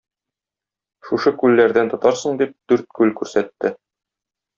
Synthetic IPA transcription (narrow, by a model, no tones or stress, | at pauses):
ʃuʃɤkʉlːæɾd̪ænt̪ŏt̪ɑɾsɤ̆ɴd̪ip̚d̪̥ʉɾt̪̚kʉlkʉɾsæt̪ːɘ